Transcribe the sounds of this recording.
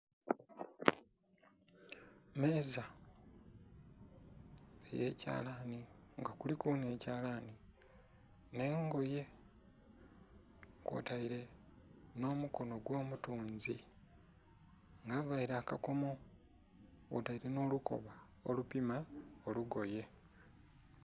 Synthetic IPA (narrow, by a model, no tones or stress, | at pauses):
me̞ːza | eje̞̰ːca̰ːlaniŋɡakulikuːne̞ːcaːlani | ne̞ːŋɡo̞je̞ | kwo̰taiɾe̞ | no̞ːmuko̞no̞ɡwo̞ːmutuːnzi | ŋɡavaiɾaːkako̞mo̞ | o̰taiɾe̞no̞ːluko̞̰βa | o̰lupimaoluɡo̞je̞